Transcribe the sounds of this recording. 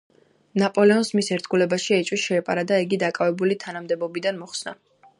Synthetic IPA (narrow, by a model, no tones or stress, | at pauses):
napʼɔlɛɔnsmisɛɾt̪ʰɡulɛbaʃiɛt͡ʃʼwisʃɛːpʼa̰ɾad̪aiɡid̪akʼavɛbulit̪ʰanamd̪ɛbɔbid̪anmɔχsna̰